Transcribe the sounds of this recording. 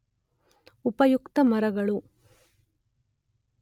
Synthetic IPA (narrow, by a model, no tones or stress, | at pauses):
upɐjukt̪ɐmɐɾɐɡɐɭu